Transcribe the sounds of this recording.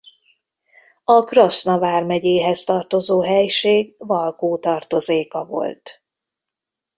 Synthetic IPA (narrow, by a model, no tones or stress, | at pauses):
ɒkrosnɒvaːrmɛɟeːɦɛst̪ɒrt̪o̞zoːɦɛjʃeːɡvɒlkoːt̪ɒrt̪o̞zeːkɒvo̞̰lt̪